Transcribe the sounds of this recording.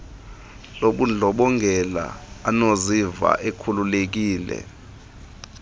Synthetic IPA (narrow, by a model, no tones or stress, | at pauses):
loɓund͡ɮʱɔɓɔŋɡʱɛla̰ːnoziva̰ʔekʰululek̬iːlɛ̰